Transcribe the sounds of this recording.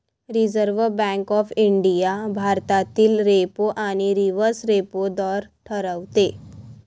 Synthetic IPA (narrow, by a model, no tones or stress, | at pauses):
ɾid͡zəɾʋəbɛ̃ŋkɔfiɳɖijabʱaɾt̪at̪iːlɾepoʔaɽ̃iɾiʋəɾsɾepod̪ɔɾʈʰəɾəʋt̪e